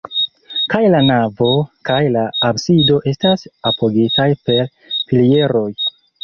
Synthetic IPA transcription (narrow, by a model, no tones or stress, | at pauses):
kajlanavo̞kajlaːbsido̞ʔe̞stasapʰo̞ɡitajpe̞ɾ | pilie̞ɾo̞j